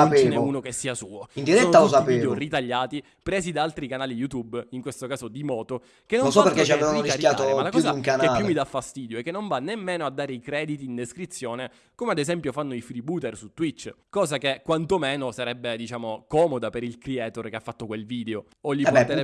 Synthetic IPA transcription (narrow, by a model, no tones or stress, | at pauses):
apeineuːnokesːiːasuːoind̪iɾɛonːalosapieːd̪eorit̪aʎːaːt̪i | pɾɛːzid̪aalt̪ɾikanaːlijut̪ubiŋkwest̪okaːzod̪imɔːt̪o | kenonnsɔpeɾket͡ʃːiaevanɾisaɾjaːt̪omalakɔuːzaiuŋkanealjumːid̪afːast̪iːd̪joɛkːenːoɱvanːemːeːnoad̪ːaːɾeikɾɛːd̪it̪iːnd̪eskɾit̪sːjoːne | komead̪ezɛmpjofanːoifɾibuːt̪ɛrsut̪ːwit͡ʃːkɔːzakekːwant̪omeːnosaɾɛbːed̪it͡ʃaːmokɔːmod̪apeɾilkɾiɛːt̪orkeafːat̪ːokwelviːd̪eo | oʎːipɛpːɛɛ